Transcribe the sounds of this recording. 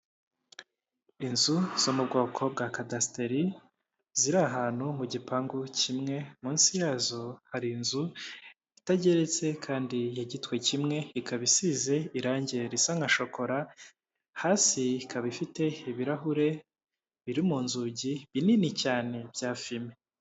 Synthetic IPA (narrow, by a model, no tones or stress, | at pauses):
inzuz̥omubɡo̞ːkʰo̞bɡakadasteɾi | ziɾaɦaːn̥humuɟipaːŋɡucimŋe̞muːnsijaːzohaɾinzu | itaɟe̞ɾe̞t͡se̞kʰaːndijaɟitwe̞cimŋe̞ikaβisize̞iɾaːɲɟeɾisaŋaʃo̞ko̞ɾa | haːsikʰaβifite̞iβiɾaɦuɾe̞ | βiɾimuːnzuɟiβininicaːne̞b̥ɟaːfime